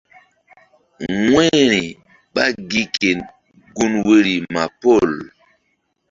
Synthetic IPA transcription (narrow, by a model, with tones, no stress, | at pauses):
ŋwe˦ɾi˨ | ɓa˦ɡi˦ke˨n | ɡu˦nwe˦ɾi˨ma˨po˦˨l